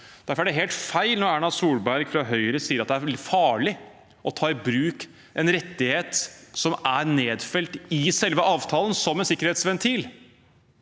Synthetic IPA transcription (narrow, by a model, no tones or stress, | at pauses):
d̪̥æɾfɔɾæɖɛɦeːlt̪fæɪlnɔɾæːɳɑsuːlbæɾɡfɾɑɦœʏɾəsiːəɾɑt̪̚d̪æɾfɑːɭɪ | ʔɔt̪ʰɑːɪbɾʉːk | ʔɛnɾɛt̪ːɪheːt̪sɔmæɾneːd̪fɛlt̪ɪsɛlʋəʔɑːʋt̪ʰɑːlənsɔmːɛnsɪkːəɾheːt̪sʋɛnt̪ʰiːl